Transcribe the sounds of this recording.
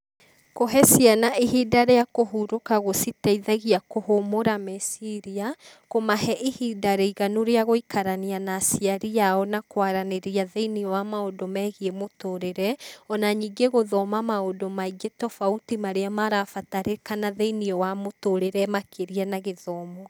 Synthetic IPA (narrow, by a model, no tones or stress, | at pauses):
koɦɛsianaʔehidaɾeakoɦuɾokaɣositaiðaɣiakohomoɾamesiɾia | komahɛʔehidaɾeiɣanoɾeaɣoikaɾanianasiaɾijaɔnakwaɾaneɾiaðeiniɔwamaodomɛɣiemotoɾeɾɛɔnaɲiɡeɣoðɔmamaodomaiɡetɔfautimaɾeamaɾafataɾekanaðeiniɔwamotoɾeɾɛmakʰeɾianaɣeðɔːmɔ